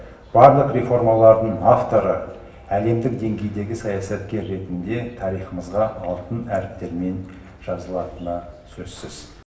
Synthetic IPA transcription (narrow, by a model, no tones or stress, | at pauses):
b̥ɑɾlˠəqɾe̞fo̞ɾmalˠɑɾd̪əɴaft̪o̞ɾə | æle̞md̪ɪk̚d̪e̞ŋɡʲe̞jd̪e̞ɡʲɪsɑjɑsɑt̪kʲe̞ɾːe̞t̪ɪnd̪e̞t̪ʰɑɾijχəməzʁɑɑlˠt̪ənæɾɪp̚t̪e̞ɾme̞n | ʒ̥ɑzəlˠɑt̪ənəsɵzsɪz̥